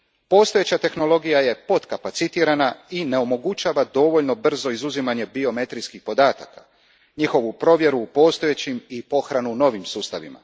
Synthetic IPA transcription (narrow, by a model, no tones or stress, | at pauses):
po̞ːst̪o̞je̞t͡ɕat̪e̞xno̞lo̞ɡijaje̞po̞t̪kapat̪sit̪iːɾanaine̞o̞mo̞ɡut͡ʃaːʋad̪o̞ʋo̞ʎno̞br̩zo̞izuzimaɲe̞bio̞me̞t̪ɾijskixpo̞d̪aːt̪akḁ | ɲixo̞ʋupɾo̞ʋje̞ɾuːpo̞ːst̪o̞jet͡ɕimipo̞xɾanuno̞ʋimsuːst̪aʋḭma̰